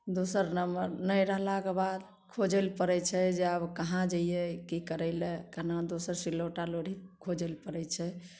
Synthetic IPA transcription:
d̪osəɾnəməɾnəjɾəɦlakebad̪ | kʰod͡ʒɛlpəɾɛt͡ʃʰɛd͡ʒeəbkəɦãd͡ʒajekikəɾɛɪlɛkanad̪osəɾsilːoʈaloɽʱikʰod͡ʒelpəɾɛt͡ʃʰɛ

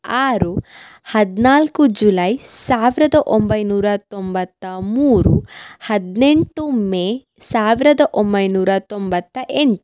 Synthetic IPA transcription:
aːɾu | hɐd̪naːlkud͡ʒulɐjsaːʋiɾɐd̪ɐʔombɐjnuːɾɐt̪ɔmbɐt̪ːɐmuːɾuhɐd̪neɳʈumeː | saːʋiɾɐd̪ɐʔombɐjnuːɾɐt̪ombɐt̪ːɐʔeɳʈu

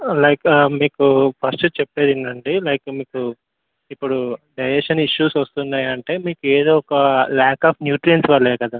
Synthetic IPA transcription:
lɐjkmiːkupʰɐɾsʈut͡ʃepːeːd̪ind̪ɐɳɖilɐjkmiːku | ipːuɽuɖɐjɾeʂɐniʃːuːsʋɐst̪und̪aːjɐɳʈe̞ːmiːkueːd̪o̞ːɔkɐlaːkaːpʰnjuːʈɾijɐnsʋɐɭːɛːkɐd̪aː

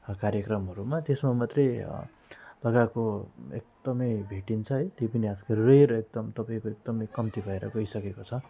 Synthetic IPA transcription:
kaɾjʌkrʌmɦʌɾumat̪esmamat̪rej̰ | lʌɡakoḛk̚d̪̥ʌmʌjbʱeʈint͡sʰʌɦʌjt̪jepʌniaskʌreɾek̚d̪ʌmt̪ʌpaĩkoekd̪ʌmʌjkʌmt̪ibʱʌeɾʌ̰ɡʌisʌkekot͡sʰʌ

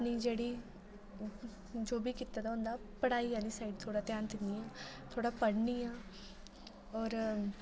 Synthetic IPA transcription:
niːd͡ʒeːɽiː | d͡ʒoːbiːkiːt̪ːaːd̪aːʊ̃ːnd̪aːpəɽaːiːaːliːsaːiɖt̪ʰoːɽaːt̪ɪjaːnt̪ɪnd̪iːaːt̪ʰoːɽaːpəɽniːaː | ɔːɾ

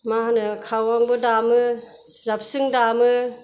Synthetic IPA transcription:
mahanɯkʰawaŋbɯdamɯ | zap̚sɯŋdamɯ

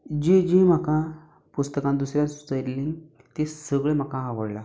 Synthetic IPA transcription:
d͡ʑid͡ʑĩm̤əkã | pust̪əkãnd̪usɾjãnsut̪əɾliŋ | t̪esəɡɭem̤akãɦãʋəɽla

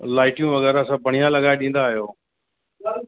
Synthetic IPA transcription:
laːɪʈɪjũʋɐɣɛːɾasãːbɐɳ̤ijãlɐɠaːeɗĩːnd̪aːijoː

